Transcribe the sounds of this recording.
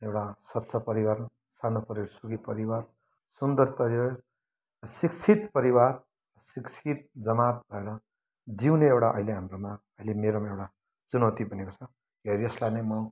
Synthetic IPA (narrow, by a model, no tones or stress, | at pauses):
ewʈasʌt̪ːsʰʌpʌɾiwaɾʌn | sanopʌɾeɽsuɡipʌɾiwar | sund̪ʌrpʌɾiwa | sikt͡sʰit̪pʌɾiwar | sikt͡sʰit̪̚d͡zʌmat̪̚bʱʌeɾʌ | d͡ziwneewɽaʔʌ̰ɦileɦamroma | ʌilemeɾomaewɽa | t͡sunʌwt̪ibʱʌnekot͡sʰʌ | ɡʱeɾijʌslajnʌjmʌ